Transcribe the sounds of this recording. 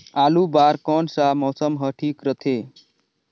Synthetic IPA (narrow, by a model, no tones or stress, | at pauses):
alubaɾkɔnsamɔːsəmɦəʈʰiːkɾət̪ʰe